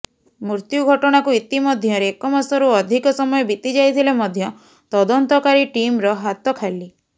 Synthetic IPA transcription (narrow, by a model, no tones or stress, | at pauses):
muɾt̪juɡʱɔʈɔɽ̃akuit̪imɔd̪ʱjɔɾekɔmasɔɾuɔd̪ʱikɔsɔmɔjɔbit̪id͡ʒajt̪ʰilemɔd̪ʱjɔ | t̪ɔd̪ɔnt̪ɔkaɾiʈimɾɔɦat̪ɔkʰali